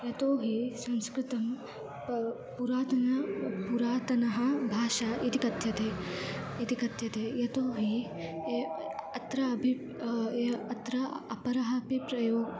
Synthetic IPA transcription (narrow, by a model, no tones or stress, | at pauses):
jɐt̪oːɦisɐ̃nskɾɪt̪ɐm | puɾaːt̪ɐnɐpuɾaːt̪ɐnɐɦɐ̆bʱaːʃaʔit̪ikɐt̪jɐt̪eːit̪ikɐt̪jɐt̪eːjɐt̪oːɦi | eɐt̪ɾɐɐbʱi | eɐt̪ɾɐɐpɐɾɐɦɐpipɾɐjoːɡ